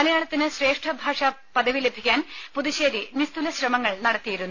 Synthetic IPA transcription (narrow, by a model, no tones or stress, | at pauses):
mɐlɐjaːɭɐt̪ːinɨɕre̞ːʂʈʰɐbʱaːʂɐ | pɐd̪ɐʋile̞bʱikʲːaːnpuðiɕeːɾinist̪ulɐɕrɐmɐŋːɐɭnɐɽɐt̪ːijiɾunːu